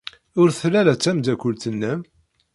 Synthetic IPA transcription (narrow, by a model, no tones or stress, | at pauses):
ʊɾθlæɾæt͡sːæmd̪ækʷːʊlt̪ənːæm